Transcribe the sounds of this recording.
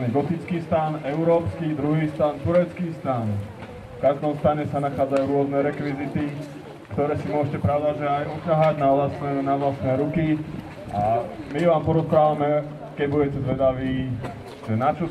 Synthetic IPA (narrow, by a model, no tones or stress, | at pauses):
nɛɡɔt̪it͡skiːst̪aːnɛʊɾɔːpskid̪ɾuɦiːst̪aːnt̪uɾɛt͡skiːst̪aːn | fkaʒd̪ɔmst̪aːɲɛsanaxaːd͡zajuːɾʊɔznɛɾɛkʋizit̪i | kt̪ɔɾɛːsimʊɔʒcɛpɾaʊd̪aʒɛajucaɦaɟnaʋlasnɛnaʋlasnɛːɾuki | ʔamiʋaːmpɔɾɔspɾaːʋamɛ | kɛɟbuɟɛcɛzʋɛd̪aʋiː | ʒ̥ɛnat͡ʃɔ